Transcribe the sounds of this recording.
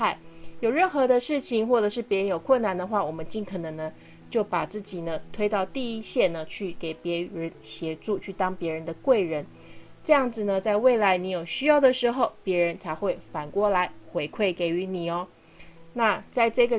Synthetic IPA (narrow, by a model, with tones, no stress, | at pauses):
a˥˩ɪjo˨˩ʊɻə˥˩nxɤ˧˥d̪ə˧ʂɻ̩˥˩t͡ɕʰi˩ŋxwɔ˥˩ʈ͡ʂɤ˨˩ʂɻ̩˥˩pjɛ˧˥ɻə˧˦njo˨˩ʊkʰwə˥˩nːa˨˩nd̪ə˧xwa˥˩wɔ˨˩mə˦nt͡ɕi˥˩nkʰɤ˨˩nɤ˧˥ŋnə˧ | t͡ɕjo˥˩ʊpa˨˩t͡sɹ̩˥˩t͡ɕi˨˩nə˦t̪ʰwe˥ɪt̪ɑ˥˧ʊt̪i˥˩i˦˥ɕjɛ˥˩nə˨t͡ɕʰy˥˩ke˨˩ɪpjɛ˧˥ɻə˧˦˥nɕjɛ˧˥ʈ͡ʂu˥˧t͡ɕʰy˥˩t̪ɑ˥ŋpjɛ˧˥ɻə˧˦˥nd̪ə˧kwe˥˩ɪɻə˧˦n | ʈ͡ʂɤ˥˧jɑ˥˩ŋd͡zɹ̩˨˩nə˩t͡sa˥˧ɪwe˥˩ɪla˧˥ɪni˧˥jo˨˩ʊɕy˥jɑ˥˩ʊd̪ə˩ʂɻ̩˧˥xo˥˧ʊpjɛ˧˥ɻə˧˥nt͡sʰa˧˥ɪxwe˥˩ɪfa˨˩nkwɔ˥˩la˧˥˦ɪxwe˧˥ɪkʰwe˥˩ɪke˨˩ɪy˧˥ni˨˩ɔ˦ | na˥˧t͡sa˥˧ɪʈ͡ʂɤ˥˩ɡə˩